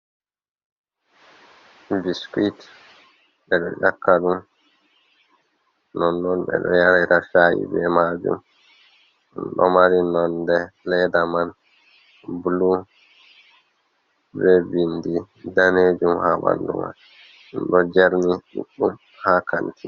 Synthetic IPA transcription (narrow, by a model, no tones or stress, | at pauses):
biskit | ɓɛɗɔʔakːaɗum | nɔnːɔnbɛ̰ɗɔjaɾaɾafaʔḭbɛmad͡ʒṵm | mɗɔmaɾinɔndɛlɛdaman | blu | bɛbindi | daned͡ʒumhaba̰ndṵma̰n | mɗɔd͡ʒɛɾniɗuɗːum | hakantʰi